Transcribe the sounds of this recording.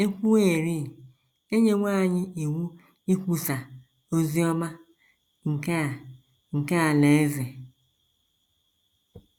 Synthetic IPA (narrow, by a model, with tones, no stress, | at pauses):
e˦kʷu˦ee˨ɾi˦˨ | e˦ɲe˦ŋʷa˦˨ɲɪ˦i˨wu˦ | i˦kʷu˦sa˨ | o˦zi˦ɔ˦ma˦ | ŋ̩˨ka˦˨ | ŋ̩˨ka˦a˨le˨e˦ze˨